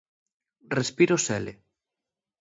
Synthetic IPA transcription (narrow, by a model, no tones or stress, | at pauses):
respiɾosɛle